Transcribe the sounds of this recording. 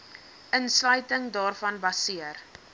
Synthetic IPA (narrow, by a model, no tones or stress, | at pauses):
ʔənslœɥtəŋdɑːrfɐnbɐsiər